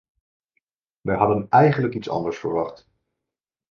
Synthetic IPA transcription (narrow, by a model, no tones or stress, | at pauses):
ʋɛjɦɑdənɛjχənləkitsɑ̰ndəɹsfəɹʋɑχt